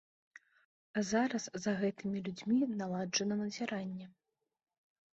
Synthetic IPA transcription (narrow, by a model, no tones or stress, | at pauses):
azaɾɐszɐɣɛt̪ɨmʲilʲud͡zʲmʲinalˠad͡ʐɐnɐnɐzʲɛɾanʲːɛ